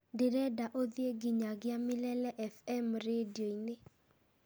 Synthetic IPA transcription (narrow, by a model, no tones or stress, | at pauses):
deɾɛdaʔod̪jeɡiɲaɡɪamɪlɛlɛʔɛfɛmɾedjoinɪ